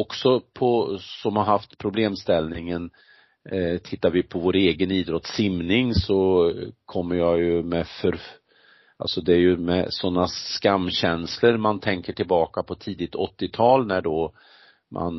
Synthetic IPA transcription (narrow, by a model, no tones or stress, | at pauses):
ɔksɔpʰɔsɔmhaɾɦaft̪pʰɾʊbleːmst̪ɛlnɪŋən | t̪ʰɪt̪ːaɾvɪpʰɔvoːɾeːɡəniːd̪ɾɔt̪sɪmnɪŋsɔkʰɔmːəɾjɑːjɵmɛfœɾ | a̰lsɔd̪ɛæɾjɵmɛ̰sɔnːaskamːɕɛnsləɾmant̪ʰɛŋkəʈʰɪlbɑːkapʰɔt̪ʰiːd̪ɪt̪ɔt̪ːɪt̪ʰɑːlnæɖo | mʔa̰n